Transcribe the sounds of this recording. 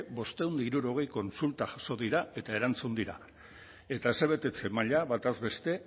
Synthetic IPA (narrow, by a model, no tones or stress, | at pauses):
bo̞st̪e̞wnd̪iɾuɾo̞ɣ̞e̞jko̞nsult̪aʝaso̞ðiɾae̞t̪ae̞ɾant͡sund̪iɾa̰ | e̞t̪aesaβ̞e̞t̪e̞t͡se̞maʎaβat̪azβe̞st̪e̞